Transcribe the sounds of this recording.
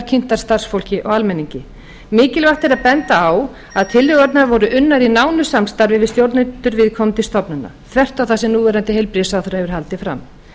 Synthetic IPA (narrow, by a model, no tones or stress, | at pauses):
ɾcʰɪn̥t̪aɾ̥st̪ar̥sfowl̥cɪʔɔɣalmɛnːiɲcɪ | mɪːcɪlvaht̪ɛɾaðpɛnt̪aːw | aðt̪ʰɪlʏɣaɾt̪navɔɾʏʔʏnːaɾinaːwnʏsamst̪aɾvɪvɪðst̪jowɾt̪nɪt̪ʏɾvɪðkʰɔmt̪ɪst̪ɔpnʏna̰θʰvɛr̥t̪awθasɪnuːvɛɾant̪ɪɦejlpɾɪsawθɛɾhɛvʏɾ̥ɦalt̪ɪfɾa̰m